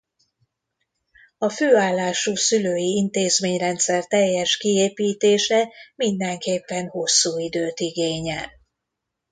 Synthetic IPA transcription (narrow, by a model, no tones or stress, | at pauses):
ɒføːaːlːaːʃuːsyløːjiint̪eːzmeːɲrɛnt̪sɛrt̪ɛjːɛʃkieːpiːt̪eːʃɛmind̪ɛŋkeːpːɛnho̞sːuːid̪øːt̪iɡeːɲɛ̰l